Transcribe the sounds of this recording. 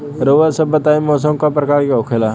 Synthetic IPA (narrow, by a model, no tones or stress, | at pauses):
ɾoːʋəsəbət̪aːimɔːs̬əmkapɾəkaːɾkeokʰelaː